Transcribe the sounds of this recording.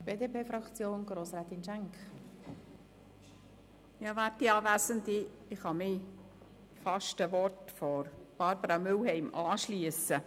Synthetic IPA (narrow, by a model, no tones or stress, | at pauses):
b̥eːd̪eːpeːfɾɑkt͡sjoːnɡ̥ɾoːsɾɛːt̪inʃæŋk | jɑːʋæːtdiɑːvæːsənd̪i | ɪχhɑmɪ | fɑʃtəʋɔrtfɔɾb̥ɑɾbəɾɑmʏlɦɛɪmʔɑːʃliəsə